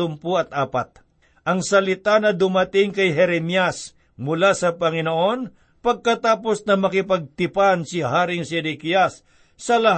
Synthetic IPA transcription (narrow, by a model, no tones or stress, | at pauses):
ʊmpuɐt̪ʔaːpat̪̚ | ʔɐŋsɐlɪt̪anɐd̪ʊmɐt̪ɪŋkɐjɦɛɾɛmjas | mʊlasɐpɐŋɪnoʔo̞n | pɐɡ̚kɐt̪aːpo̞snɐmɐkɪpɐɡ̚t̪ɪpansɪɦaːɾɪŋsɛd̪ɪkijasː | ɐlɐ